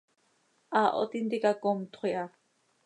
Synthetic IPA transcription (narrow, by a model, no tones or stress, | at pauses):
aʔɔ̰t̪int̪ikakɔmt̪ʰχʷiʔa